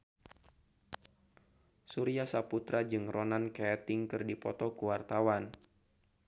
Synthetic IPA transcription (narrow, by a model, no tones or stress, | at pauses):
suɾiasaput̪ɾad͡ʒɨŋrɔnankɛːt̪ɪŋkɨrdipɔt̪ɔkuwart̪awan